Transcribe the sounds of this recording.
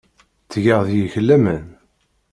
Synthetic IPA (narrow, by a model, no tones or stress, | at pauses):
t͡sːʝəʁðjəçəlːæmən